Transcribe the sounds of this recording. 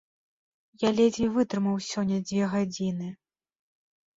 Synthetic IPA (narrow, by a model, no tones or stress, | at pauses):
jalʲɛzʲvʲivɨt̪ɾɨmɐwsʲɔnʲːɐd͡zʲvʲɛɣad͡zʲinɨ